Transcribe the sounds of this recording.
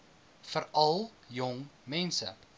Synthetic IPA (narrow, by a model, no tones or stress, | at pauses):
fəɾɐlˠ | jɔŋmɛnsə̰